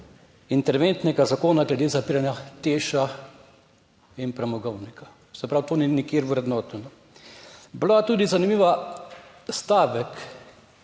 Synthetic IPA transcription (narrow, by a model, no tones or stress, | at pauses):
int̪ɛɾʋent̪nɛɡazakoːnaɡlɛd̪eːzapiːɾanjat̪eːʃa | inpɾɛmɔɡɔwnika | sɛpɾawt̪oːninikeːɾwɾɛd̪nɔːt̪unɔ | blat̪uːd̪izanimiːʋa | st̪aːʋɛk